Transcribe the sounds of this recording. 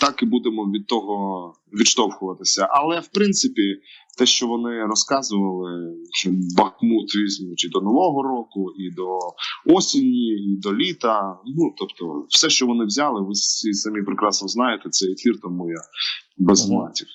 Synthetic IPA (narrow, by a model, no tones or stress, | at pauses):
t̪ɑkɪbud̪emɔʋʲid̪̚t̪ɔɦɔ | ʋʲiʃt̪ɔwxʊʋɐt̪ɪsʲɐʔɐlˠɛwpɾɪnt̪sɪpʲit̪ɛʃt͡ʃɔʋɔnɪɾɔskɑzʊʋɐlˠɪ | bɐxmut̪ʋʲizʲmʊt͡ʃʲid̪ɔnɔʋɔɦɔɾɔkʊid̪ɔɔsʲinʲːiid̪ɔlʲit̪ɐnut̪ɔpt̪ɔ̰wsɛʃt͡ʃɔʋɔnɪwzʲalˠɪʋɪssʲisɐmʲipɾekɾɑsnɔznɑjet̪ɛt̪sɛjefʲirt̪amɔjabɛzlˠɑtʲiw